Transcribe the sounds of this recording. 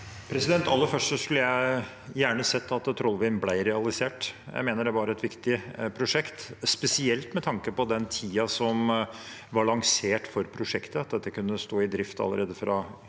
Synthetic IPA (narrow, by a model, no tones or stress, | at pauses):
pʰɾɛsɪd̪ɛnt̪ɑlːəfœʂʈsɔskʉlːəjæɪ | jæːɳəsɛt̪ʰːɑt̪t̪ʰɾɔlˠʋɪnblæɪɾɛɑlɪseːʈjæ̰ɪmeːnəɖɛʋɑɾɛt̪ʋɪkt̪ɪpʰɾʊʂɛkt̪spɛsɪɛlt̪mɛt̪ʰɑŋkəpɔd̪ɛnt̪ʰiːɑsɔm | ʋɑɭɑŋseːʈfɔɾpʰɾʊʂɛkt̪əɑt̪̚d̪ɛt̪ːəkʉnːəst̪oːɪd̪ɾɪft̪ɑ̰lːə̰ɾeːd̪əfɾɑ